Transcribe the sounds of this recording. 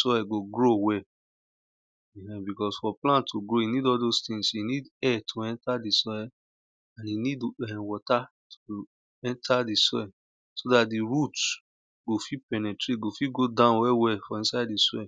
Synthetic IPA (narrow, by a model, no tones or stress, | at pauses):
sɔɛɡoɡɾowɛ | ɛ̃ɛ̃bikɔsfɔplãntʰoɡɾoinidɔdostĩŋsinidɛtʰoɛ̃ntadisɔɛ | ãninidɛ̃wɔtatʰo | ɛ̃ntʰadisɔɛ | sodatdiɾut | ɡ̥ofipɛnɛtɾet̚ɡofiɡodãʊ̃nwɛwɛfɔĩsaɪddisɔɛ